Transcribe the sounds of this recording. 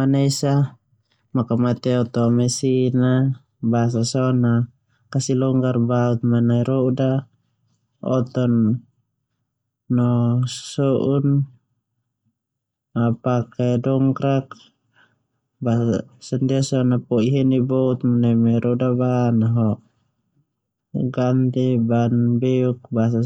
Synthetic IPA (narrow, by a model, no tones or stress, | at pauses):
anaisa | makamat̪ɛɔt̪ɔmɛsina | bas̬asɔna | kasilɔŋɡarbaut̪̚manaiɾɔda | ɔ̰t̪ɔn | ɔssɔʔun | apakɛdɔŋkɾak | basandiasɔnapɔiɦɛnibɔut̪̚manaimaiɾɔdabanaɦɔʔ | ɡant̪ibanbɛuk̚bas̬a